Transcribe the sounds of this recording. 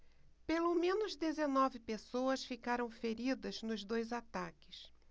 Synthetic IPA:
pelomẽnʊzd̪ezenɔvɪpesoɐsfikaɾɐ̃w̃feɾid̪ɐznʊzd̪ojzat̪akɪs

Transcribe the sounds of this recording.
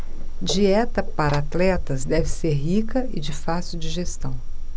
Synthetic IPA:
d͡ʒiɛt̪ɐpaɾɐat̪lɛt̪ɐzd̪ɛvɪseɾɦikɐɪd͡ʒɪfasiuwd͡ʒiʒest̪ɐ̃w̃

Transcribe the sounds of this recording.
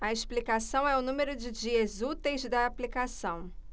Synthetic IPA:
ɐeʃplikasɐ̃w̃ɛʊnũmeɾʊd͡ʒɪd͡ʒiɐzut̪ejzd̪ɐːplikasɐ̃w̃

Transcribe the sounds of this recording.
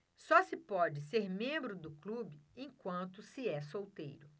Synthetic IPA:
sɔsɪpɔd͡ʒɪseɾmẽbɾʊd̪ʊklubɪẽj̃kwɐ̃nt̪ʊsɪɛsowt̪ḛjɾʊ

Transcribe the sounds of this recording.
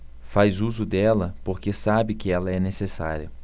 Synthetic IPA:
fajzuzʊd̪ɛlɐpoɾkesabɪkɪɛlɐɛnesesa̰ɾiɐ̰

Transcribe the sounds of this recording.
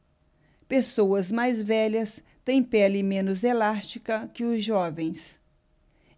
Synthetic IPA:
pesowɐzmajzvɛʎɐs | t̪ẽj̃pɛlɪmẽnʊzelast͡ʃikɐkɪʊzʒɔvẽj̃s

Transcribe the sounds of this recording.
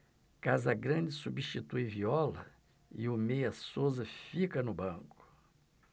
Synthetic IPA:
kazɐɡɾɐ̃d͡ʒɪsubiʃt͡ʃit̪ujviɔlɐ̰ | ɪʊmejɐsozɐfikɐnʊbɐ̃kʊ̥

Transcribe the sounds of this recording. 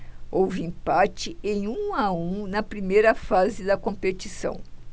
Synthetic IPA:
owviĩpat͡ʃɪẽj̃ũaũnɐpɾimejɾɐfazɪd̪ɐkõpet͡ʃisɐ̰̃w̃

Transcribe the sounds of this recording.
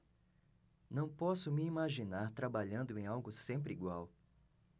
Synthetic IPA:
nɐ̃w̃pɔsʊmiimaʒinaɾt̪ɾabaʎɐ̃nd̪ʊẽj̃awɡʊsẽmpɾɪiɡwaw

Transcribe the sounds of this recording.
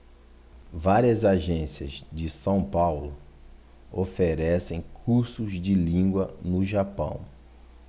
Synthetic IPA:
vaɾiɐzaʒẽsiɐ̰zd͡ʒɪsɐ̃w̃pawlʊ | ofeɾɛsẽj̃kʰuɾsʊzd͡ʒɪlĩɡwɐnʊʒapɐ̰̃w̃

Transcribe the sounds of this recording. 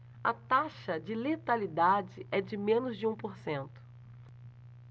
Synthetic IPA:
ɐt̪aʃɐd͡ʒɪlet̪alid̪ad͡ʒɪʔɛd͡ʒɪmẽnʊzd͡ʒɪũpoɾsẽnt̪ʊ̥

